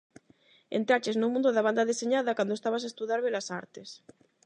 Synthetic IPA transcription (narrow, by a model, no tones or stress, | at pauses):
ḛnt̪ɾat͡ʃeznumũnd̪oðaβand̪aðeseɲaðakwand̪oest̪aβas̬aest̪uðjaɾβelasa̰ɾt̪es